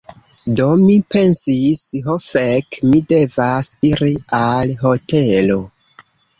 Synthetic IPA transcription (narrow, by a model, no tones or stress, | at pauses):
do̞mipe̞nsisɦofekmide̞vasiɾialɦo̞te̞lo